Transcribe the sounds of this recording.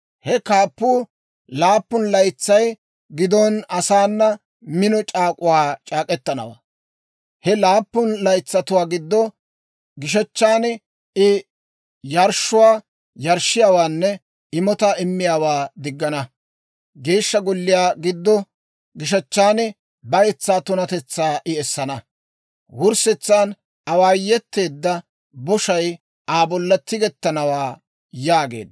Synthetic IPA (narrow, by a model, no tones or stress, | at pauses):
hɛkaːpːuː | laːpːʊnlɐjt͡sːɐj | ɡɪd̪ɔnɐsaːnːɐ | mɪnɔt͡ʃʼaːkʼʊwaːt͡ʃʼaːkʼɛt̪ːɐnɐ̰wa̰ː | hɛlaːpːʊnlɐjt͡sːɐt̪ʊwaːɡɪd̪ːɔ | ɡɪʃ̬ɐt͡ʃːaːn | ɪ | jɐɾʃʊwaː | jɐɾʃɪjaːwaːnːɛ | ɪmɔt̪ɐʔɪmːɪjaːwaːd̪ɪɡːɐnɐ | ɡe̞ːʃːɐɡɔlːɪjaːɡɪd̪ːɔ | ɡɪʃ̬ɐt͡ʃːaːn | bɐjɛt͡sːaːt̪ʊnɐt̪ɛt͡sːaːʔɪɛsːɐnɐ | wʊɾsɛt͡sːaːn | ɐwaːjːɛt̪ːe̞ːd̪ːɐ | bɔʃɐj | ʔaːbɔlːɐt̪ːɪɡɛt̪ːɐnɐwaː | jaːɡe̞̰ːd̪